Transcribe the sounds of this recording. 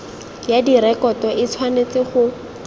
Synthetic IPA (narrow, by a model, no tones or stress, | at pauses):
jadiɾɛkɔtɔʔɪt͡sʰwanet͡sɪχʊ